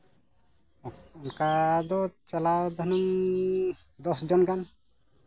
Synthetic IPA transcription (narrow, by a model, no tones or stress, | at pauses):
unkad̪ɔt͡ʃɔlawd̪ʱɔnum | d̪ɔsd͡ʒɔnɡan